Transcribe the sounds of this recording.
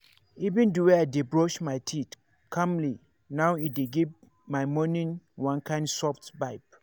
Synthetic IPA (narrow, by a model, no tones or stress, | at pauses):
ivĩnduweaɪdebɹɔʃmaɪtʰit | kʰãmli | nawideɡiv | maɪmɔnĩnwãnkʰãɪ̃ndsɔftbaɪp